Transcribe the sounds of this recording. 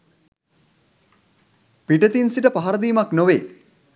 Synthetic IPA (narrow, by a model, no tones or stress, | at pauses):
piʈət̪insiʈəpaɦaɾəd̪iːmaknoʋeː